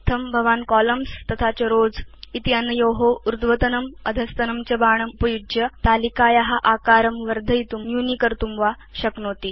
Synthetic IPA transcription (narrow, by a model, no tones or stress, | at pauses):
t̪ʰɐmbʱɐʋaːnkɔləmst̪ɐt̪ʰat͡ɕeɾoːd͡zit̪ianːɐjoɦouɾd̪ʋət̪ɐnɐməd̪ʱɐst̪ɐnɐmt͡ɕɐbaːɳ̃ɐmpɐjud͡ʒjɐt̪alikaːjaɦaʔakaɾɐmʋəɾd̪ʱəjt̪umnjunikəɾt̪umʋa | ɕɐknot̪i